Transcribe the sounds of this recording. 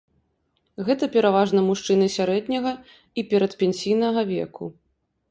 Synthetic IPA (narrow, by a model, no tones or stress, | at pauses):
ɣɛt̪ɐpʲɛɾavaʐnɐmuʂt͡ʂɨnɨsʲaɾɛd̪ʲnʲɐɣɐ | ipʲɛɾɐt̪pʲɛnʲsʲijnɐɣɐvʲɛ̰kṵ